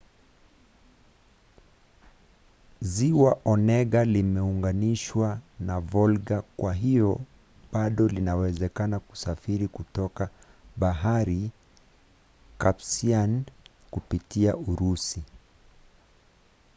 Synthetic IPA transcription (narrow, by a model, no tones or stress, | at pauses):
ziwaʔɔnɛɠalimɛuŋɡaniʃwanavɔlɡakwaɦiɔ | ɓaɗɔlinawɛzɛkanaku̥safiɾikutɔka | ɓaɦaɾi | kapsian | kupitiaʔuɾusi